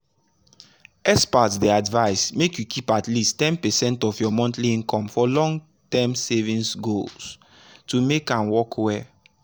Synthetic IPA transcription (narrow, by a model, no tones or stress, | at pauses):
ɛspatdiadvaɪsmekjukʰipatlistɛ̃npɛsɛ̃ntɔfjɔmɔ̃ntliĩnkɔ̃mfɔlɔ̃ŋɡ | tɛ̃msɛvĩnsɡols | tumekãnwɔkwɛ